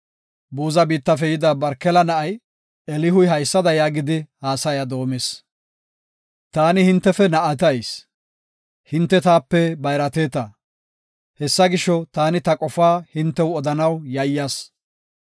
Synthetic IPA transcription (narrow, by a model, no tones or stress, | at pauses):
buːzɐbiːt̪ːɐfɛjɪd̪abɐɾkɛlɐnɐʔɐj | ɛlɪɦʊjɦɐjsːɐd̪ɐjaːɡɪd̪ɪhaːsɐjad̪o̞ːmes | t̪aːnɪhɪnt̪ːɛfɛnɐʔɐt̪ɐjs | hɪnt̪ːɛt̪aːpːɛbɐjɾɐt̪eːt̪ɐ | hɛsːɐɡɪʃɔt̪aːnɪt̪ɐkʼɔfaːhɪnt̪ːɛwɔd̪ɐnɐwjɐjːas